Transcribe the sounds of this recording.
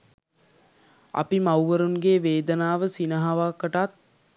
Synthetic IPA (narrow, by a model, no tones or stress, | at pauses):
ɐ̰pimawʋəɾunɡeːʋeːd̪ənaːʋəsinəɦaʋakəʈat̪̚